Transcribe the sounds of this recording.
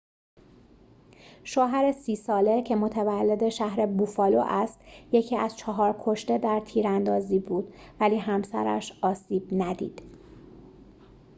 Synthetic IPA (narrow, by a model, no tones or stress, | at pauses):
ʃoːɦæɾe̞siːsɒːle̞cʰe̞mot̪ʰævælːe̞d̪e̞ʃæɦɾe̞bufɒːlo̰ʔæst̪je̞cʰiːæz̥t͡ʃʰɒɦɒːɾkʰo̞ʃt̪e̞d̪æɾt̪ʰiːɾænd̪ɒːziːbuːd̪̥væliːɦæmsæ̰ɾæ̰ʃɒːsiːb̥næd̪ḭːd̪̥